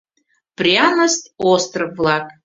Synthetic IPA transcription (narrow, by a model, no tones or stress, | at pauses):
prianɐst̪ost̪rəːlˠakʼ